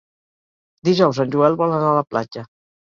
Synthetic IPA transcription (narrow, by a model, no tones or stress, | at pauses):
d̪iʒɔwzanʲʒuɛlˠβɔlənaləpla̰d͡ʒə